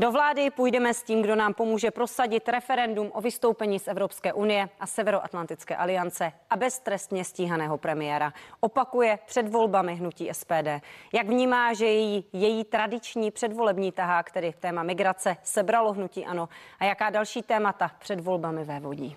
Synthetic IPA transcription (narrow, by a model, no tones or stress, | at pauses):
do̞vlaːdɪpujdɛmɛsciːmɡdo̞naːmpo̞muːʒɛpɾo̞saɟɪt̪ɾɛfɛɾɛndumʔo̞vɪst̪owpɛɲiːsʔɛvɾo̞pskɛːʔunɪjɛʔasɛvɛɾoʔa̰t̪lant̪ɪt͡skɛ̰ːʔalɪjant͡sɛʔabɛst̪ɾɛst̪ɲɛsciːɦanɛːɦo̞pɾɛmɪjɛːɾaʔopakujɛpr̝̥ɛdvo̞lbamɪɦnuciːʔɛspɛːdɛːjaɡvɲiːmaːʒɛjɛjiːjɛjiːt̪ɾadɪt͡ʃɲiːpr̝̥ɛdvo̞lɛbɲiːt̪aɦaːkt̪ɛdɪt̪ɛːmamɪɡɾat͡sɛsɛbɾalo̞ɦnuciːʔano̞ʔajakaːdalʃiːt̪ɛːmat̪apr̥ɛdvo̞lbamɪvɛːvo̞ɟḭː